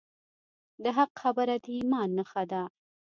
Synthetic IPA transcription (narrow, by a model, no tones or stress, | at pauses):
d̪əɦaqxabəɾad̪əimɑnːəxad̪a